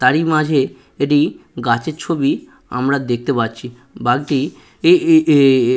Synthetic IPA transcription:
t̪aɾimad͡ʑʱe | eʈ̬iɡat͡ɕeɾt͡ɕʰobi | a̰mɾad̪ek̚ʰt̪epatːt͡ɕʰi | baɡʈi

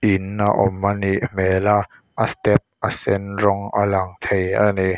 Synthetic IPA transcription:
ʔinːaʔɔmːaniʔmɛːla | ʔast̪ɛp̚ʔasɛnrɔŋʔa̰laŋt̪ʰejʔa̰ne

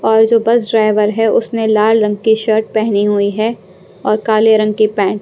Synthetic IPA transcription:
ɔːɾd͡ʒoːbɐzɖɾaːɪʋəɾɦɛʊsnelaːlɾɐ̃ŋɡ̚kiʃəːɾʈ̚pɛɦniɦʊiɦɛ | ɔːɾkaːleɾɐ̃ŋɡ̚kipɛ̃ːʈ

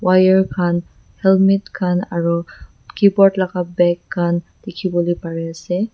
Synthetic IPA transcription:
wajəɹkʰan | hɛlmitkʰanaɹu | kibɔɹtlakabɛkʰːand̪̥ikʰibulipaɹɛasɛ

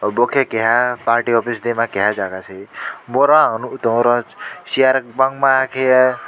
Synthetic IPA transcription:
bokʰekeɦapaɾʈiɔpisd̪emãkeɦad͡zaɡat͡sʰemɔɾãnut̪õɾɔ̃sijaɾk̚baŋmaakʰej

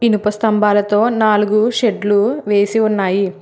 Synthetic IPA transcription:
inupɐst̪ɐmbaːlɐt̪o̞ːnaːluɡuʃeɖluʋe̞ːsiunːaːji

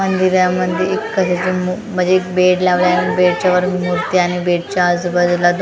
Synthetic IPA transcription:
ənd̪iɾjaməd̪ʱeekːəɕat͡ɕimum̤ə̃ɳd͡zeːk̚beʈlaʋljaːnibeʈ̚t͡ɕaʋəɾmuɾt̪iaɽ̃ibeʈ̚t͡ɕaəd͡zbəd̪lad̪

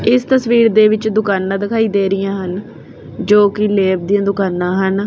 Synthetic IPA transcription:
ɪst̪əsʋiːɾd̪eːʋɪt͡ʃd̪ʊkaːnːãːd̪ɪkʰaːiːd̪eːɾɪjãːɦən | d͡ʒoːkɪleːb̚d̪ijãːd̪ʊkaːnːãːɦən

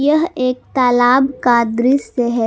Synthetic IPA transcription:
jəɦeːk̚t̪aːlaːbkaːd̪ɾiseɦɛ

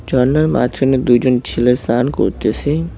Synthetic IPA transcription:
d͡ʑɔnːaɾma̰t̪ɾened̪ujd͡ʑont͡ɕʰilest̪anko̰ɾt̪esʰe

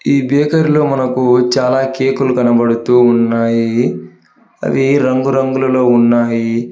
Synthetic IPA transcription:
iːbeːkɐɾilo̞ːmɐnɐkut͡ʃaːlaːkeːkulukɐnɐbɐɽut̪uːnːaːji | ɐ̰diɾɐŋɡuɾɐŋɡulɐlo̞ːunːaːji

